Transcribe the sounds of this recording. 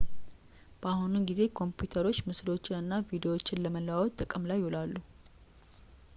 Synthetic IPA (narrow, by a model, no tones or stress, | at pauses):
b̥əahununɡize̞kʰo̞mpjut̪ʰəɾo̞t͡ʃːmɨslo̞t͡ʃːɪnɨnːavid̪ewo̞t͡ʃːɪnləməlːwawot̪ʼːəkʼəmlajːholalːu